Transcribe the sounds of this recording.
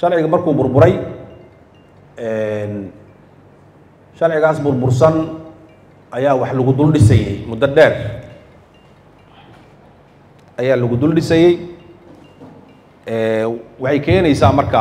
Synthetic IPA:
ʃɑrʕɪɣɐmɐrkʰuːbʊrbʊɾɛj | ɛn | ʃɐrʕɪɣaːsbʊrbʊrsɐn | ʔɐjaːwɑħlʊɣʊd̪ʊlɖɪsɛjɛjmʊd̪ɐɖɛːr | ʔɐjaːlʊɣʊd̪ʊlɖɪsɛjɛj | ʔɛːwɑħɑjkʰɛːnɛjsaːmɐrkʰɐ

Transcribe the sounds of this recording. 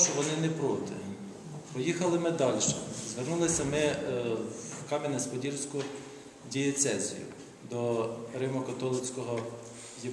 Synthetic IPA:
t͡ʃɔʋɔnɪnɛpɾɔt̪ɪ̰ | pɔjixɐlˠɪmɪd̪ɑlʲʃɛzʋernulˠɪsʲɐmɪwkɑmʲɪnɛspɔdʲirsʲkʊ | dʲijet̪sɛzʲḭjʊ̰ | d̪ɔɾɪmɔkɔt̪ɔlˠɪt͡sʲkɔɦɔ | ji

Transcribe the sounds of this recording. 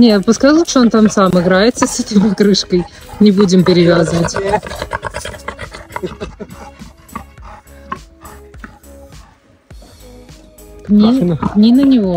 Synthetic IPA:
nʲepʊskajlˠut̪ʂəont̪amsamɨɡɾaɪt̪səsɛt̪əjmɐkɾɨʂkəjnʲɪbudʲɪmpʲɪɾʲɪvʲazɨvətʲ | knʲinnʲinənʲɪvo

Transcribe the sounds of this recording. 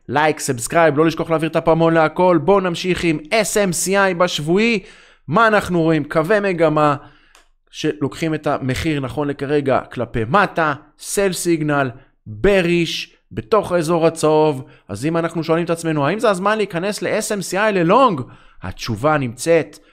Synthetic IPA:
lajksabskʁajblo̞liʃko̞aχleaviʁt̪apamo̞nleako̞lbo̞namʃiχimesemsiajbaʃvui | maːnaχnuʁo̞imkave̞me̞ɡama | ʃe̞lo̞kχime̞t̪ame̞χiʁnaχo̞nle̞kaʁe̞ɡa̰klape̞mata | se̞lfsiɡnal | beʁiʃ | beto̞χaezo̞ʁat͡sov | a̰zimanaχnuʃo̞alimet̪at͡sme̞nuaimzeazmanliːkane̞sle̞ʔesemsiajle̞lo̞ŋɡha̰t͡ʃuvanimt͡se̞t̪

